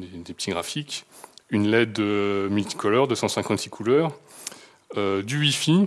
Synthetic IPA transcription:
d̪ed̪epət̪iɡʁafikʲ | ynlɛd̪əmylt̪i̥kɔlœʁd̪øsɑ̃sɛ̃kɑ̃t̪sikʰulœʁ | ød̪ywifi

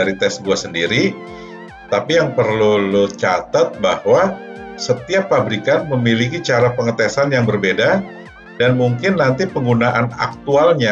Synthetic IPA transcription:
aɾit̪ɛsɡuasəndiɾi | t̪apijaŋpərlulut͡ʃat̪at̪̚bahwasət̪iapːabɾikanməmilikit͡ʃaɾapəŋət̪ɛsanjaŋbərbeda | danmuŋkɪnːant̪ipəŋɡunaʔana̰k̚t̪ualɲa

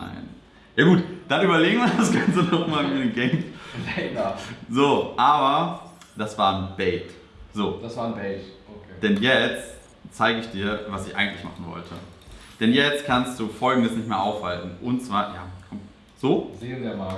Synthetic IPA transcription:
na̰ɪn | jaːɡuːtd̥anyːbɐleːɡŋ̩viːɐɐdasɡ̥ant͡sənɔχmaːlmiɐnɪmɡɛm | zoːʔaːbɐd̥asv̥aːnbɛɪt | z̥oːd̥asv̥aːnbɛɪtoked̥ɛnjɛt͡st | t͡saɪɡəɪçd̥iːɐvasɪçʔa̰ɪɡŋ̩tlɪçma̰χn̩vɔ̰ltʰəd̥ɛnjɛt͡st̚kʰanst̚d̥uːfɔlɡŋ̩dəsnɪçtmeːɐʔaʊfhaltn̩ʔʊnt͡sv̥aːɐja̰ːkʰɔm | z̥oːzeːnima

